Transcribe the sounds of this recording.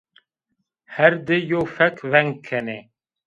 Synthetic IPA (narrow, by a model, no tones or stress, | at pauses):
hɛɾd̪ɪjoːfɛkʰvɛŋɡkʰːɛne